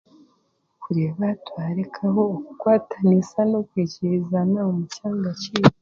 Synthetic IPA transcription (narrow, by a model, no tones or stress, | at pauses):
kuɾe̞βatwaːɾekʰaho̞ːkukwaːtʰanisano̞kwiːciɾizanaomucaːŋɡaciːwa